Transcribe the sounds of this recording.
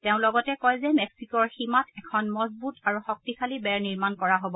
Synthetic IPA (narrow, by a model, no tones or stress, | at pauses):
teʊ̃lɔɡɔtɛkɔjzɛmɛksikɔɹximatʰɛkʰɔnmɔzbutaɹuxɔk̚tikʰalibɛɹniɹmankɔɹaɦobɔ